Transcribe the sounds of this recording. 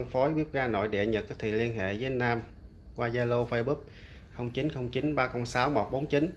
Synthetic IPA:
ŋfo˨˦jɓi˦˥əp̚ɣaː˧no̰˧˨jɗɛ̰˧˨˩ɲə˨˩t̚kaː˦˥k̚t̪ʰḭ˧˨li˧ənɦḛ˧˨vəː˨˦nːaː˧m | kwaː˧zaː˧lo˧fə˧ɓu˦˥k̚ | xə˧wŋ͡mt͡ɕi˨˦nxə˧wŋ͡mt͡ɕi˨˦nɓaː˧xə˧wŋ͡msaː˨˦wmo˨˩t̚ɓo˨˦nt͡ɕi˨˦n

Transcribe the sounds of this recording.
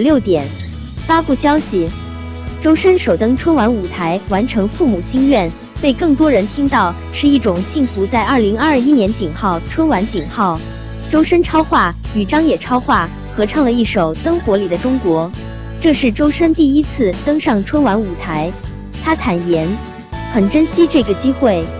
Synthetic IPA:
ljo˥˩ʊt̪jɛ˨˩˦n | fa˥pu˥˩ɕjɑ˥ʊɕi˨ | ʈ͡ʂo˥ʊʂə˥nʂo˨˩ʊt̪ɤ˥ŋʈ͡ʂʰwə˥nwa˧˥nu˨˩t̪ʰa˧˥ɪwa˧˥nʈ͡ʂʰɤ˧˥ŋfu˥˩mu˨˩ɕi˥ŋɥɛ˥˩n | pe˥˧ɪkɤ˥˩ŋt̪wɔ˥ɻə˧˥nt̪ʰi˥ŋt̪ɑ˥˩ʊ | ʂɻ̩˥˧i˥˩ʈ͡ʂʊ˨˩ŋɕi˥˩nfu˧˥t͡sa˥˧ɪʔɐ˞˥˩li˧˥ŋɐ˞˥˧i˥njɛ˧˥nt͡ɕi˨˩nxɑ˥˩ʊʈ͡ʂʰwə˥nwa˧˥nt͡ɕi˨˩nxɑ˥˩ʊ | ʈ͡ʂo˥ʊʂə˥nʈ͡ʂʰɑ˥ʊxwa˥˩ | y˨˩ʈ͡ʂɑ˥ŋjɛ˨˩ʈ͡ʂʰɑ˥ʊxwa˥˩ | xɤ˧˥ʈ͡ʂʰɑ˥˩ŋlə˩i˥˩ʂo˨˩ʊt̪ɤ˥ŋxwɔ˧˥li˨˩d̪ə˦ʈ͡ʂʊ˥ŋkwɔ˧˥ | ʈ͡ʂɤ˥˧ʂɻ̩˥˩ʈ͡ʂo˥ʊʂə˥nt̪i˥˩i˥t͡sʰɹ̩˥˩t̪ɤ˥ŋʂɑ˥˩ŋʈ͡ʂʰwə˥nwa˧˥nu˨˩t̪ʰa˧˥ɪ | t̪ʰa˥t̪ʰa˨˩njɛ˧˥n | xə˨˩nʈ͡ʂə˥nɕi˥ʈ͡ʂɤ˥˩ɡə˩t͡ɕi˥xwe˥˩ɪ

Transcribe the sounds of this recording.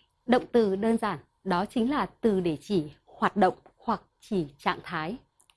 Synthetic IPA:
ɗə̰˧˨wŋ͡mt̪ɨ˨˩ɗəː˧nzaː˧˩n | ɗɔ˨˦t͡ɕï˨˦ŋ̟laː˨˩t̪ɨ˨˩ɗe˧˩t͡ɕi˧˩ | hwaː˨˩t̚ɗə̰˧˨wŋ͡mhwa˨˩k̚t͡ɕi˧˩t͡ɕa̰ː˧˨ŋt̪ʰaː˨˦j

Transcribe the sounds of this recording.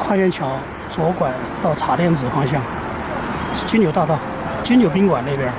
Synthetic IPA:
kʰwa˥˧ɕɥɛ˥˩nt͡ɕʰjɑ˧˥ʊ | t͡swɔ˧˥kwa˨˩n | t̪ɑ˥˩ʊt͡sʰa˨˩˥t̪jɛ˥˩nt͡sɹ̩˨˩fɑ˥ŋɕ̬jɑ˥ŋ | t͡ɕy˥njo˨˩t̪a˥˧t̪a˥˩ | t͡ɕy˥njo˨˩ʊpi˥ŋkwa˨˩ne˥˩pjə˧˥

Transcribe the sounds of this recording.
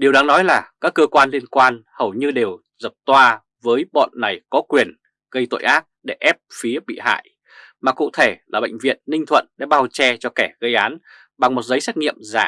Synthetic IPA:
ɗi˨˩əwɗaː˨˦ŋnɔ˨˦jlaː˨˩kaː˦˥kːəː˧kwaː˧nli˧ənkwaː˧nhə˨˩wɲɨ˧ɗe˨˩w | zə˨˩p̚t̪waː˧ | vəː˨˦jɓɔ̰˧˨nːa˨˩jkɔ˨˦kwi˨˩ən | ɣə˧jt̪o̰˧˨jʔaː˦˥t̚ɗe˧˩ʔɛ˦˥p̚fi˨˦əɓḭ˧˨ha̰ː˧˨j | maː˨˩kṵ˧˨t̪ʰe˧˩laː˨˩ɓə̰˧˨ŋ̟vḭ˧˨ənːï˧ŋt̪ʰwə̰˧˨nɗe˧˩ɓaː˧wt͡ɕɛ˧t͡ɕɔ˧kɛ˧˩ɣə˧jʔaː˨˦n | ɓa˨˩ŋmo˨˩t̚zə˨˦jsɛ˦˥k̚ŋḭ˧˨əmza̰ː˧˩

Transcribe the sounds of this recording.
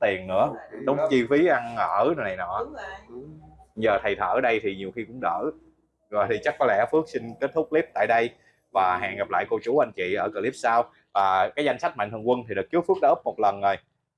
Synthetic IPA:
t̪i˨˩ənnɨ̰˧˥əɗə˨˦ŋ͡mt͡ɕi˧fi˨˦ʔa˧nŋəː˧˩ɗə˧na˨˩jnɔ˧˩˦ | jzəː˨˩t̪ʰə˨˩jt̪ʰəː˧˩ɗə˧jt̪ʰi˨˩ɲi˨˩əwxi˧kʊ̰˧˥ŋ͡mɗə̰ː˧˩ | zo˧˨jt̪ʰi˨˩t͡ɕa˦˥k̚kɔ˨˦lɛ̰˧˥fɨ˦˥ək̚sï˧ŋ̟ke˦˥t̚t̪ʰʊ˦˥k͡p̚li˦˥p̚t̪a̰ː˧˨jɗə˧j | vaː˨˩ha̰ː˧˨˩nŋɣa˨˩p̚la̰ː˧˨jko˧t͡ɕu˨˦ʔa˧jŋ̟t͡ɕḭ˧˨ʔəː˧˩kəː˧˩li˦˥p̚saː˧w | vaː˨˩kaː˨˦jza˧jŋ̟sa˦˥k̚ma̰˧˨nt̪ʰkwə˧nt̪ʰi˨˩ɗɨ˨˩k̚t͡ɕɨ˦˥əfɨ˦˥k̚ɗaː˧ʔɨ˦˥mo˨˩t̚lə˨˩no˨˩j

